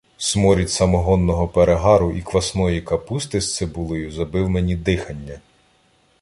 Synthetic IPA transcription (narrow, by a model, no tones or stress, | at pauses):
smɔɾʲitʲsɐmɔɦɔnːɔɦɔpeɾeɦɑɾʊʔikʋɐsnɔjikɐpust̪ɪst̪sɛbulˠɔjʊzɐbɪwmenʲid̪ɪxɐnʲːɐ